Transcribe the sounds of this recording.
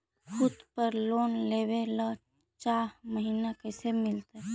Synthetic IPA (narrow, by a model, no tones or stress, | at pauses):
kʰud̪pəɾlonleβelə | t͡ʃaɦməɦinakəsemilt̪ə